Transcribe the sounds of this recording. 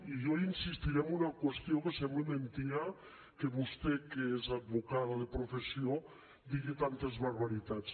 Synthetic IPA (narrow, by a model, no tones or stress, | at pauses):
iʒɔinsist̪iɾemunakwest̪jokesɛmblemẽnt̪ia | keβust̪ekeezad̪̚βukaðaðepɾofesio | d̪iɣet̪ant̪ezβaɾβaɾit̪at͡s